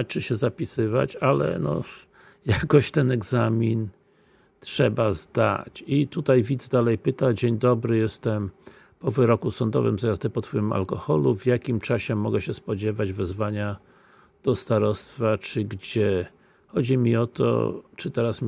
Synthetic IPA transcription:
t͡ʂɨɕɛzapʲisɘva̰t͡ɕalɛ̰nɔ̰ | jakɔɕt̪ɛnɛɡzamʲin | t̪ʂɛbazd̪a̰t͡ɕit̪ut̪ajvʲid̪zɛd̪alɛjpɘt̪ad͡ʑeɲd̪ɔbɾɘjɛst̪ɛm | pɔvɘɾɔkusɔnd̪ɔ̰vɘ̰mzajazd̪ɛpɔt̪fɔima̰lkɔxɔluvʲjakʲimt͡ʂaɕɛmɔɡɛɕɛspɔd͡ʑɛvad͡ʑvɛzvaɲa | d̪̥ɔst̪aɾɔst̪fat͡ʂɘɡd͡ʑɛ | xɔd͡ʑimʲiɔt̪ɔ̰t͡ʂɨt̪ɛɾasm

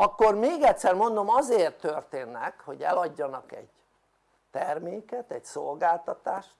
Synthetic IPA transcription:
ɒkːo̞rmeːɡɛt̪sɛrmo̞nd̪o̞mɒzeːrt̪ːørt̪eːnːɛkho̞ɟɛ̰lɒɟːɒnɒkɛ̰ɟ̥ | t̪ɛrmeːkɛt̪ɛcsolɡaːlt̪ɒt̪aːʃt̪

